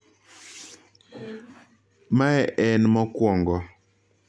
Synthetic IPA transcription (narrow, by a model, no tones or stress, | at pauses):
maɛʔɛnmɔkwɔŋɡɔ